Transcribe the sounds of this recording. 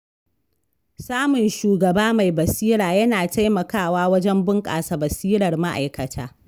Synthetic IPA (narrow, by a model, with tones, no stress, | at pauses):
saː˦mʊ˨nʃuː˨ɡɐ˨baː˦ma˨jbɐ˨siː˦ɾaː˨jɐ˦naː˨ta˦jmɐ˨kaː˦˨waː˦wɐ˦d͡ʒɛ˦mbʊ˦ŋkʼa̰ː˨sa˨bɐ˨siː˦ɾɐ˨rma˦ʔa̰˨jkɐ˨tʰaː˦